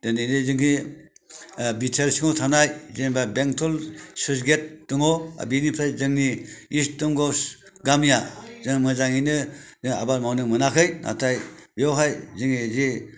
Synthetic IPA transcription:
dɯnijnɯzɯŋi | bitʰeɾsiŋɔwtʰanajzenbabeŋtʰɔlsɯsɡet̚ːɯŋɔa̰binipʰɾajzɯŋniːstɔŋɡɔs | ɡamijazɯŋmɯzaŋinɯzɯŋa̰balmawnɯmɯnakʰɯjna̰tʰajbiɔwɦajzɯŋizi

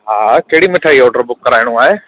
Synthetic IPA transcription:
ɦaːkeɦɽimeʈʰaːiɔːʈəɾbʊkːəɾaːɪɽ̃ũaːɦeː

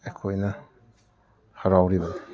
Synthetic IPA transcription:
ekʰojnɐ | haɾawɾiba

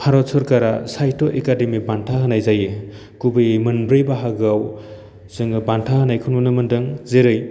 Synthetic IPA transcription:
pʰaɾɔsʰɔɾkaɾasajtoʔekademibantʰaɦɯnajzaje | kubɯjmɯnbɾɯjbaɦaɡaw | zɯŋɯbantʰahɯnajkʰɯnunɯmɯndɯŋzeɾɯj

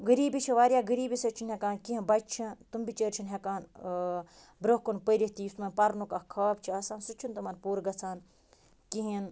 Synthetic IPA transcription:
ɡəɾiːbit͡ʃʰiʋaːɾʲjaːɡəɾiːbisɐt͡ʃʰinɦʲekaːnkiɦĩbɐt͡ʃʰit̪umbit͡ʃeɾt͡ʃʰinɦekaːn | bɾoɦkunpəɾiht̪iːsmɐnpɐɾnukɐhkʰaːb̚t͡ʃʰiɐsaːnsut͡ʃʰunt̪ɐmɐnpuːɾɡɐt͡sʰaːn | kiɦin

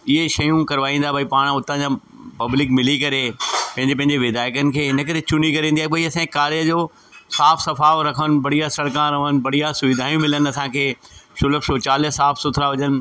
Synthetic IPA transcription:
ɪɦeʃɐjũkɐɾʋaːĩːnd̪abʱaipaːɽ̃ʊt̪ãd͡ʑaː | pɐblɪkmɪlikɐɾepɐ̃ɦɪ̃ɲd͡ʑepɐ̃ɦɪ̃ɲd͡ʑeʋɪd̪aːɪkənɪ̆kʰeːɦɪnə̆kɐɾet͡ɕʊnikɐɾĩːnd̪ijaɦebʱaiɐsãːikaːɾiəd͡ʑoː | saːfʰsɐfaːʋɾɐkʰənɪ̆bɐɽ̤ijasɐɽkãɾɐʋən̆bɐɽijasʊʋɪd̪ʱaːjũmɪlən̆ɐsãkʰeːʃʊləfʃoːt͡ɕaːlɪsaːfʰsʊt̪ʰɪɾaʋɐɲənɪ̆

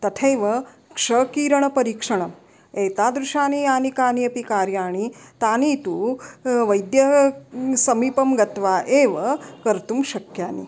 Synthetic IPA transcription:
t̪ɐt̪ʰejʋɐ | kʂɐkiːɾɐɳɐpɐɾiːkʂɐɳ̃ɐm | eːt̪aːd̪ɾuʃaːniaːnikaːniɐpikaːɾjaːɳit̪aːniːt̪uʋɐjd̪jɐ | sɐmiːpɐmɡɐt̪ʋaːʔeːʋɐkɐɾt̪umʃɐkʰjaːnḭ

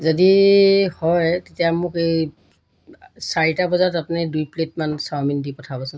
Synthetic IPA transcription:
zodihɔjtetijamʊkej | saɹitabɔzatapnidujpletmansaɹmindipɔtʰabɔsʊ

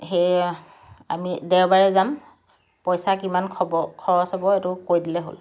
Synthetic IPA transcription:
xej | a̰midɛwbaɹɛzam | pɔjsakimankʰɔbɔkʰɔɔsabɔetʊkoɹjdilɛɦo̰l

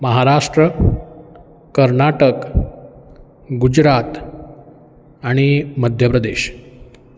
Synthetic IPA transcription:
məɦaɾaʂʈɾə | kəɾnaʈək | ɡud͡ʑɾat̪ | aɽ̃iməd̪ʱjəpɾəd̪eɕ

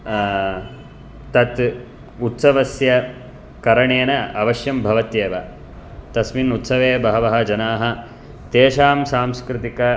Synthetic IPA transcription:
t̪ɐt̪ | ut̪sɐʋɐsjɐ | kɐɾɐɳeːnɐɐʋɐʃjɐmbʱɐʋɐt̪jeːʋɐ | t̪ɐsminut̪sɐʋeːbɐɦɐʋɐɦɐ̆d͡ʒɐnaːɦɐ | t̪eːʃaːmsaːmskɾɪt̪ikɐ

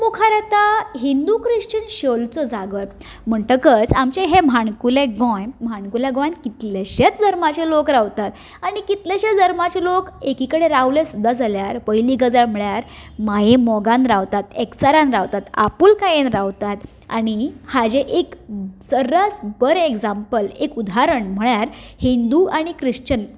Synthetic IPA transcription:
mokʰaɾət̪aɦind̪ukɾiɕt͡ɕənɕəlt͡sɔd͡zaɡəɾ | m̤əɳʈəkət͡samt͡ɕeɦem̤ʱaɳkuleɡɔ̃jm̤ʱaɳkuljaɡõjnkit̪leɕet͡sd̪ʱəɾmat͡ɕelokɾaʋt̪at̪ | aɽ̃ikit̪leɕet͡sd̪ʱəɾmat͡ɕelokekikəɽeɾaʋlesud̪ʱːad͡zʱaljaɾpəjliːɡəd͡zaɭm̤əɭjaɾmajemɔɡãnɾaʋt̪at̪eksaɾãnɾaʋt̪at̪a̰puːlkajenɾaʋt̪at̪ | a̰ɽ̃ihad͡ʑeʔeksəɾat͡sbəɾekd͡zãmpəlekud̪ʱaɾəɳm̤əɳjaɾhind̪uaɽ̃ikɾiɕt͡ɕən

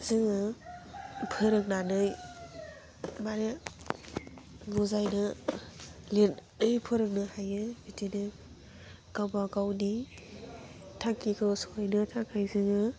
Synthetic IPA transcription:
zɯŋɯ | pʰɯɾɯk̚nanɯj | maɾe | muzajnɯ | lenɯjpʰɯɾɯk̚nɯhajɯbitʰinɯ | ɡ̥awmaɡawni | tʰaŋkikʰɯwsajnɯtʰaŋkʰajzɯŋɯ

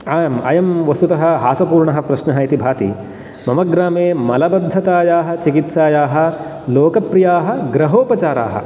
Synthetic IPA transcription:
aːjɐmɐ̰jɐmʋɐst̪ut̪ɐɦɐ̆ɦaːsɐpuːɾɳɐɦɐpɾɐʃnɐɦɐit̪ibʱaːt̪ḭ | mɐmɐɡɾaːmeːmɐlɐbɐd̪ʱːɐt̪aːjaːɦɐ̆t͡ʃikit̪saːjaːɦɐ̆ | loːkɐpɾijaːɦɐ̆ɡɾɐɦoːpɐt͡ʃaːɾa̰ːɦɐ̰

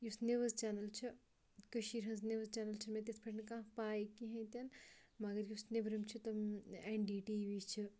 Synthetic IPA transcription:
jusneʋɐzt͡ʃaːnɐlt͡ʃʰi | kɐʃiɾɦɐ̃nzneʋɐzt͡ʃaːnɐlt͡ʃʰɐnmẽt̪espʰɐʈnkãːpaːikiɦɐ̃t̪ɐnmɐɡɐɾjusnebɾɐmt͡ʃʰit̪ɐmenɖiːʈiːʋiːt͡ʃʰi

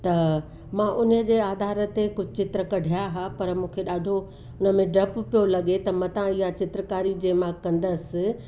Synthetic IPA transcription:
t̪ɐ | mãʔʊnd͡ʑeːaːd̪ʱaːɾə̆t̪ekʊd͡ʑʱɪt͡ɕɪt̪ɾəkɐɖʱijaɦapɐɾmũːkʰeɗaːɖʱo | ʊnəmẽɖɾɐppijolɐɠet̪ɐmɐ̃t̪ãɪɦat͡ɕɪt̪ɾəkaːɾid͡ʑeːmãkɐ̃nd̪əsɪ̆

